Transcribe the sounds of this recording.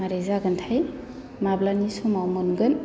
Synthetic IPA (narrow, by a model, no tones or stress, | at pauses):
aɾezaɡəntʰaj | mablanisumawmɔnɡɯn